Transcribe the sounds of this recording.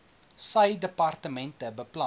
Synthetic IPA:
sɐjdəpɐrtəmɛntəbəplɐ

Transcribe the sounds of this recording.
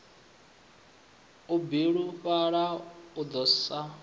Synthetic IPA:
ubiɺuɸaɺaud̪ɔsa

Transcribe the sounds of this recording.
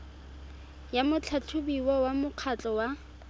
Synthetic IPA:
jamʊt͡ɬʰat͡ɬʰʊbiwɔwamʊq͡χʰat͡ɬʼɔwa

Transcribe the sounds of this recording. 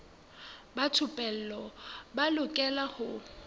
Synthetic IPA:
batʰʊpʼɛl̩lɔbalʊkʼɛlahʊ

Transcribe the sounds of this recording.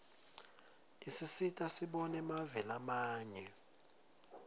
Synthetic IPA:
isisitʼasiɓɔnɛmavɛlamaːɲɛ

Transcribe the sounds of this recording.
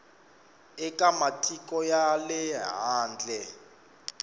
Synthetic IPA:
ɛkʼamatʰik̬ʼɔjalɛɦaːnd͡ɮʱɛ

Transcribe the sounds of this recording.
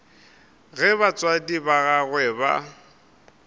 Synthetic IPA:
ɣɛbat͡sʼwadibaɣaɣwɛːba̰

